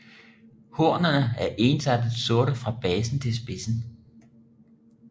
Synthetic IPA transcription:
hoɐ̰nɐnəæɐʔe̝nsæd̥ð̩ˠso̝ɐɾəfʁɑ̈b̥ɛːsn̩t͡sʰe̝lsb̥e̝sn̩

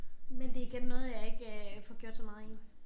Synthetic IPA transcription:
mend̥e̝iɡ̥enənɔ̽ːð̩ˠjɑ̈e̝ɡ̥fɒɡ̥jo̝̰d̥sɒmɑ̈ð̩ˠen

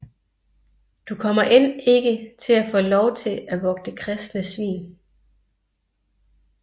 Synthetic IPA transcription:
d̥ukʰɒ̽mɐʔen̰e̝ɡ̥ət͡sʰe̝læfɔ̰ːlɒʊt͡sʰe̝læʋɒ̽ɡ̥̚d̥əkʰʁɛsd̥nəsʋḭːn

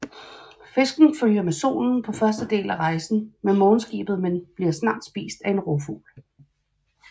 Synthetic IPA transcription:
fe̝sɡ̥n̩føl̰jɐmeso̝̰ːln̩pʰɒ̽fɶɐsd̥əd̥e̝̰ːlæʁɑ̈ɪsn̩menmɔ̽ːn̩sɡ̥ḭːb̥ð̞̩ˠmenb̥liɐsnɑ̈ːd̥sb̥ḭːsd̥æe̝nʁofṵːl

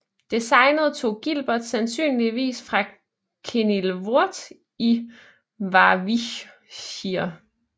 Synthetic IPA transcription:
d̥esɑ̈ɪnəð̞̩ˠt͡sʰo̝̰ːɡ̥ilb̥ɐd̥sænsy̰ːnliʋḭːsfʁɑ̈ | kʰenilʋo̝ɐ̰d̥ | i | ʋɑ̈ʋi | ɕiɐ

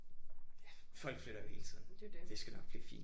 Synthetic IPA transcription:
jæfɒ̽l̰ɡ̥fløɾ̥ɐjo̝he̝ːlət͡sʰḭːðˠn̩d̥esɡ̥ænɒɡ̥b̥le̝ɐfḭːn

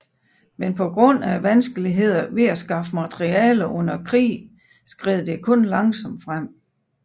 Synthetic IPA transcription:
menpʰɒ̽ɡ̥ʁɔ̽n̰æʋænsɡ̥əliɦe̝ð̞̰ˠɐʋe̝æsɡ̥ɑ̈fəmɑt͡sʰʁiɛ̰ːləʔɔ̽n̰ɐkʰʁḭː | sɡ̥ʁeð̩ˠd̥e̝kʰɔ̽nlɑ̈ŋsɒ̽md̥fʁam̰

